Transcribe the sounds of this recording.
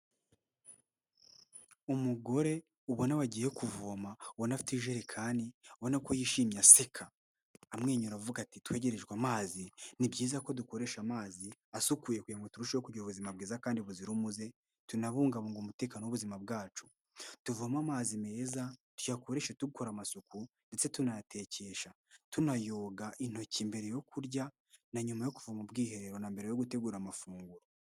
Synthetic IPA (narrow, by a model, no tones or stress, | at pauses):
umuɡo̞ɾe̞ | uβo̞naβaɟijekuvomauβonafi̥tiʒeɾekʰaːndiβo̞nakojiːʃiːmɲasekʰaː | mŋe̞ːɲuɾavuɡatitwe̞ːɟe̞ɾe̞ʒɡwamaːzinibɟiːzako̞duko̞ɾe̞ʃamaːziasukuːjekujaŋɡotuɾuʃewokuɟiɾuβuzimab̚ɡiːzakaːndiβuziɾumuze̞ | tunaβuːŋɡaβoŋɡomute̞ːkaːnowuβuzimab̚ɡaːt͡ʃu̥ | tuvuamamaːzime̞ːzatu̥jako̞ɾeʃetuɡuko̞ɾamasuku | nde̞t͡se̞tunatʰe̞ce̞ʃa | tunajo̞ːɡaʔin̥ho̞ciːmbe̞ɾejo̞kʰuɾɟa | naɲumajo̞kuvamubɡiːhe̞ɾeɾo̞nambe̞ɾejo̞ɡute̞ɡuːɾamafuːŋɡuɾo